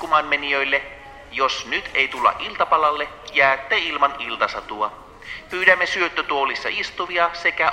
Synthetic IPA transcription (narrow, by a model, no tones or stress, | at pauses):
umɑːnmeniøjlːe | josnyt̪ʰe̞jt̪ulːɑ̰ʔilt̪ɑpɑlɑlːe | jæːt̪ːeilmɑnilt̪ɑsɑt̪uɑ | pyːɾæmːesyøt̪ːøt̪uolisːɑ̰ist̪uʋiɑse̞kæ